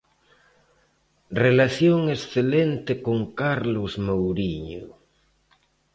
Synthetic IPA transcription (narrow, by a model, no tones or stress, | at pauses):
relaθjoŋesθelent̪ekoŋkaɾlʊzmowɾiɲo